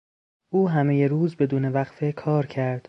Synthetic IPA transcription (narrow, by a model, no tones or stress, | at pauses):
uːɦæme̞je̞ɾuːzbe̞d̪uːne̞væɣfe̞kʰɒːɾcʰæɾd̪̥